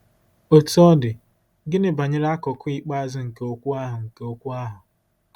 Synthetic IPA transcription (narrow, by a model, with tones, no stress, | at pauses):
o˨tu˦ɔ˦dɪ˨ | ɡɪ˦nɪ˦ba˨ɲɪ˦ɾa˦kɔ˨kʊ˦i˦k͡pa˦zʊ˦ŋ̩˨ke˦o˦kʷu˦a˦ɦʊ˨ŋ̩˨ke˦o˦kʷu˦a˦ɦʊ˨